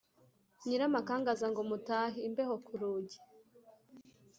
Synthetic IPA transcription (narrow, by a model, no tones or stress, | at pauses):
ɲiɾamakaːŋɡazaŋɡomutaɦimbehokuɾuːɟi